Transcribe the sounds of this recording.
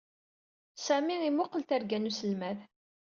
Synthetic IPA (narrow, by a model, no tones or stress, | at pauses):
sæmiimʊqːəlt̪æɾɡænusəlmæð